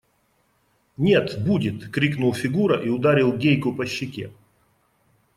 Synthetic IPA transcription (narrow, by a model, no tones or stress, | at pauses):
nʲet̪budʲɪt̪kɾʲiknʊlˠfʲɪɡuɾəʔiʊd̪aɾʲɪlˠɡʲejkʊpəɕːɪkʲḛ